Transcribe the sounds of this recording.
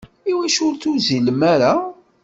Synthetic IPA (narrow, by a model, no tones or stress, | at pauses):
iwæʃʊɾθuziləmæɾa